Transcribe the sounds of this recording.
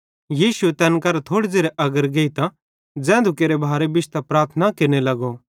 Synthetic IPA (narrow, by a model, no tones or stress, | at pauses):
jiːʃʊet̪ɛːnkɐɾt̪ʰoːɽed͡zeːɾeʔɐɡəɾɡeːit̪ã | d͡zɛ̃ːnd̪ukeːɾebʱaːɾebɪt͡ʃt̪apɾaːɾt̪ʰnakɪɾnelɐɡo